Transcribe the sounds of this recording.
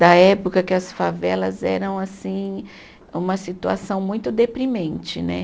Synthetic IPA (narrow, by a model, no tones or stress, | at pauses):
d̪ɐɛpokɐkɪɐsfavɛlɐzɛ̰ɾɐ̃w̃asĩ | ũmɐsit̪ua̰sɐ̃w̃mũj̃t̪ʊd̪epɾimẽnt͡ʃɪnɛ̰